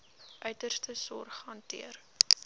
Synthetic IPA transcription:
ʔœɥtərstəsɔ̰rχɐntḭər

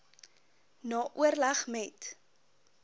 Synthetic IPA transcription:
nɑːʔuərlɐχmɛt

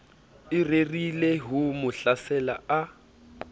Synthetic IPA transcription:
ɪrerileɦumʊɬasɛla̰a

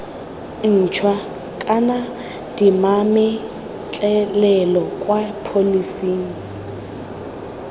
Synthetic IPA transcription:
n̩t͡ʃʰwa | kʼana | d̥imamɪ | t͡ɬʼɛlɛlɔkʼwapʰolisiːŋ̩

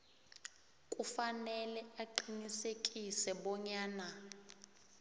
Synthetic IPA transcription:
kʼufanɛlɛaǃinisekʼisɛɓɔɲaːna

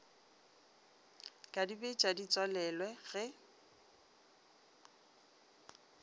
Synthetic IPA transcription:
kʼadibet͡ʃʼadit͡sʼwalɛlwɛɣɛ

